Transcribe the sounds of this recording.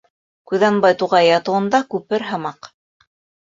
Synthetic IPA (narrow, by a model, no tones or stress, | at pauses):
kʉðɑnbɑjt̪uʁɑjɑt̪ɤ̆wɤ̆nd̪ɑkʉpɘɾɦɤ̆mɑq